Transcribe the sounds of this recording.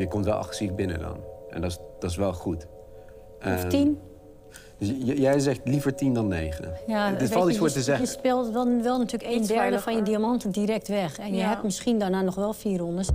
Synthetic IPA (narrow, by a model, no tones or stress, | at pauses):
jəkɔmtʋɛlˠʔɑ̰xəsifbɪnə̰dɔ̰nʔɛ̰ndɔsd̥ɔsʋɛlˠχut | ɔftin | d̥øsjjɛjz̬ɛxtlifəɹtindɔnːeːχə̰jaɔlˠtisfoːɹtəzɛxəspɪlˠtʋɛlˠnatyːləkedɛɹdəfɔnjədiamɔntəndiɾɛk̚tʋɛxɛnjəɦɛmɪsxindaɹnaːnɔxʋɛlˠfiːəɾondəs